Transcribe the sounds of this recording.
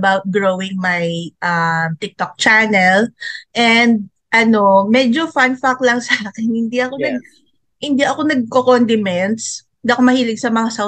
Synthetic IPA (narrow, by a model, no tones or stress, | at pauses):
bawt̪̚ɡɹowɪŋmɐjʔɐmt̪ɪk̚t̪ok̚t͡ʃanɛlʔɛnd̪̚ | ʔɐno̞mɛd͡ʒofanfaklɐŋsaːkɛnhɪnd̪iʔɐko̞nɐɡ̚ | hɪnd̪iʔɐko̞nɐɡ̚kokond̪ɪmɛnshɪnd̪iʔɐko̞mɐhiːlɪɡ̚sɐmɐŋasa